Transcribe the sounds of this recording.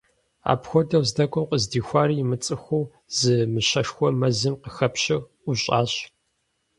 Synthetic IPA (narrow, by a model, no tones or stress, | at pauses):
a̰ːpxʷɔdɐwzdɐkʷʰʼɔmqəzdiːxʷaːrimɨt͡sʼɨxʷuː | z̥ɨmɨɕɐʂxʷɔmɐzɨmqəxɐpɕɪ | uɕʼa̰ːɕ